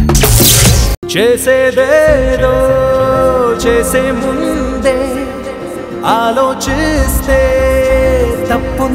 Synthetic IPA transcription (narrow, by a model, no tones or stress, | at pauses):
t͡ʃeːsed̪eɾo | t͡ʃeːsemund̪e | aːloːt͡ʃɪst̪e | t̪ɐʊn